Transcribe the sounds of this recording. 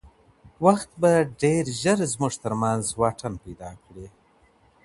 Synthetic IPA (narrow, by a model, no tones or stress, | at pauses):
waxt̪baɖeɾʒəɾzmuʐt̪əɾmanzwɑʈʰanpajd̪ɑkɽi